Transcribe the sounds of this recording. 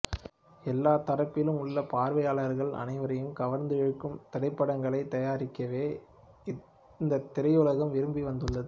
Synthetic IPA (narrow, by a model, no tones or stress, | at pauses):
ɛlːaːt̪ɐɾɐpːɪlɯmʊɭːɐpaːɾʋɐjaːɭɐɾɣɐɭɐ̰nɐɪʋɐɾɐjɯmkɐʋɐɾnd̪ɯɛɻɯkːɯmt̪ɐɽɐɪpːɐɽɐŋɡɐɭɐɪt̪ːɐjaːɾɪkːɐʋeː | ɪ | nd̪ɐt̪ːɪɾɐjʊlɐɣɐmʋɪɾɯmbiʋɐnd̪ɯɭːɐðɯ